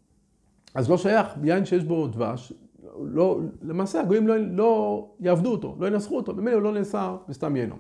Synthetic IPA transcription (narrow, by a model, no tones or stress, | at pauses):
azlo̞ʃajaχbijainʃejeʃbo̞d̪va̰ʃ | lolemaːseaɡojimlolojaːvd̪uot̪o̰lo̞jinasχuot̪omemeleulo̞neːsaʁbest̪amjeno̰m